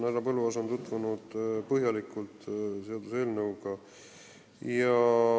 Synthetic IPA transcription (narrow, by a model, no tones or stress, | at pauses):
næɾɑpɤlːuɑs̬ont̪ut̪ːˑvunud̪̥pɤɦjɑlikːˑult̪ˑse̞ɑd̪use̞ːlnɤwɡ̥ɑ | jɑ